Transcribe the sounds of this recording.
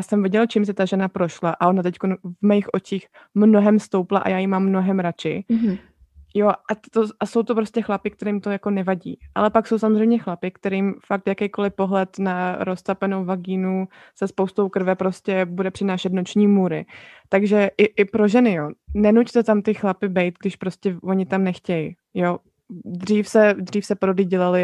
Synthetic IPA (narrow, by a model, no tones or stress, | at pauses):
jaːsɛmvɪɟɛlt͡ʃims̬ɛt̪aʒɛnapɾo̞ʃlaʔaʔo̞nat̪ɛcko̞nvmɛjɪxʔo̞t͡ʃiːx | mno̞ɦɛmst̪owplaʔa̰jaːjimamːno̞ɦɛmɾat͡ʃɪ | joʔat̪oʔaso̞wt̪opɾo̞scɛxlapɪk̚t̪ɛɾimt̪o̞jako̞nɛvaɟḭːʔa̰lɛpakso̞wsamozrɛjmɲɛxlapɪkt̪ɛɾimfak̚t̪jakɛjkolɪpo̞ɦlɛt̪naɾo̞st̪apɛno̞wvaɡiːnu | sɛspowst̪owkɾ̩vɛpɾo̞scɛbudɛpr̝̥ɪnaːʃɛt̪not͡ʃɲiːmuːɾɪt̪aɡʒɛʔɪʔɪpɾo̞ʒɛnɪjonɛnuct̪ɛt̪amt̪ɪxlapɪbɛjt̪̚ɡdɪʃpɾo̞scɛvo̞ɲɪt̪amnɛxcɛjɪ | jo̞ | d̪riːfsɛd̪riːfsɛpɾodliːɟɛlalɪ